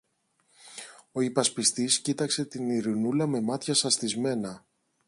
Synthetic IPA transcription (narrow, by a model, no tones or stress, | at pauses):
o̞ipɐspist̪iscit̪ɐkse̞t̪iniɾinulɐme̞mɐt̪çɐsɐst̪izme̞nɐ